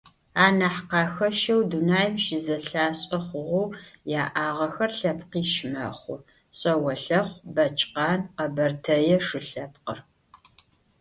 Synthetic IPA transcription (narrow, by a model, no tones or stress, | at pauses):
aːnɐħqɑːxɐʃɐwdunaːjmʃɪzɐɬaːɕʼɐχʷʊʁʷʊjaːʔaːʁɐxɐrɬɐpʰqiːʃmɐ̰χʷʊ̰ | ɕʼɐwɐɬɐχʷbɐt͡ʃʼqɑːnqɐbɐrtʰɐjɛʂɨɬɐp̚qə̰r